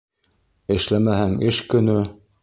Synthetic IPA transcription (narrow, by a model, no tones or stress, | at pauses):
ɘ̆ʃlæmæhæŋɘʃkɵ̆nɵ